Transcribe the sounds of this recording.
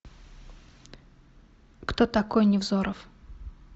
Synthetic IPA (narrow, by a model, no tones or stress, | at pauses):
kt̪ot̪ɐkojnʲɪvzoɾəf